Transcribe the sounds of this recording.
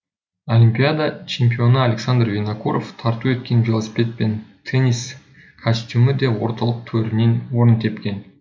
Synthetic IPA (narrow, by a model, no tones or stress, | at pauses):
olʲimʲpʲijad̪at͡ʃʰe̞mpʲio̞nəalʲeksand̪rvʲenakʰuɾʔoft̪ʰɑɾt̪ue̞t̪kʲe̞nvʲelˠosʲi̥pʲe̞t̪̚pe̞nt̪ʰenʲis | kʰosʲt̪ʲuməd̪e̞wo̞̰ɾt̪ɑlˠəq̚t̪ʰɵɾɪnenwo̞ɾənt̪ʰe̞pkʲe̞n